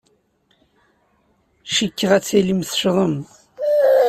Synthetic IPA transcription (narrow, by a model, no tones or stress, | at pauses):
ʃikːəʁæt͡sːælimθə̥ʃðˤəm